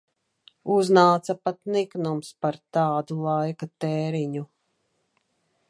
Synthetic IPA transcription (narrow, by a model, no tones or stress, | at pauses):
uznaːt̪sapat̪niknumspaɾt̪aːd̪ulˠajkat̪ɛːɾiɲu